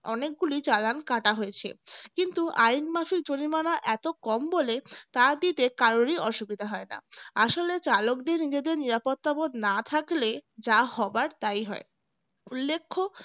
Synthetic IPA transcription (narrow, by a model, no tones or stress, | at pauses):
ɔnek̚ɡulit͡ɕalankaʈaɦojet͡ɕʰḛkint̪uʔajnmaʃik̚d͡ʑonimanaʔɛt̪okɔmbolet̪ad̪it̪ekaɾoniɔʃubid̪ʱaɦɔena̰aʃolet͡ɕalokd̪eɾnid͡ʑed̪eɾniɾapot̪ːabod̪nat̪ʰakled͡ʑahɔbaɾt̪ajɦɔe | ulːekʰːo